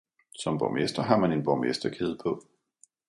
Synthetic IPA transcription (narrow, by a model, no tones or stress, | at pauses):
sɒ̽mb̥ɒmesd̥ɐɦɑ̈mæne̝nb̥ɒmesd̥ɐkʰe̝ð̞̩ˠpʰɔ̽